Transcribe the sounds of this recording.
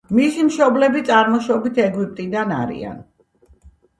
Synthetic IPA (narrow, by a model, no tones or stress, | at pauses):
misimʃɔblɛbit̪sʼaɾmɔʃɔbit̪ʰɛɡwip̚ʼt̪ʼid̪ana̰ɾḭa̰n